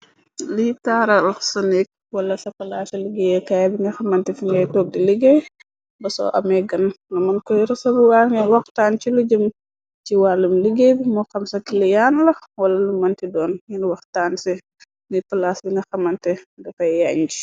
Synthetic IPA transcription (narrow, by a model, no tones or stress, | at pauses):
litaːɾɐlsɐnɛk̚ | wɐlːɐsɐfɐlaːsɐliɡejɛkajabiŋɡɐxɐmɐntɛfiŋɡɐjtɔːk̚diliɡɛ | bɐsɔ̰ʔɐ̰mɛɡɐnnɐmɐnkɔjɾɛsɐbuwaːŋiwɐxtaːnt͡ʃiluɟəm | t͡ʃiwalimliɡebimɔxɐmsɐkilijaːnlɐwɐlɐlumɐntidɔːnjinwɐxtaːnsɛ | nifɐlaːsbiŋɡɐxɐmɐntɛɡɐfɐjjaɲd͡ʒi